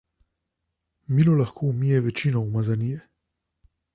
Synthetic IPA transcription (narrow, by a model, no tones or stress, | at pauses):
milɔlaxkʰoumijɛʋɛt͡ʃiːnɔwmazanijɛ